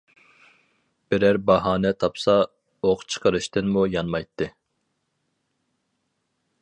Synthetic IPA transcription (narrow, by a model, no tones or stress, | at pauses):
b̥ɪɾæɾbɑɦɑːnɛt̪ʰɑpsɑ | oqt͡ʃʰə̥qʰəɾɨʃt̪ɨnmujɑnmɑjt̪ʰːɨ